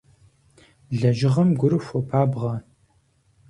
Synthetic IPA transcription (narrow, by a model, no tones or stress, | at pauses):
ɮɐʒɪʁɐmɡʷʊɾɨfʷɔpʰaːbʁɐ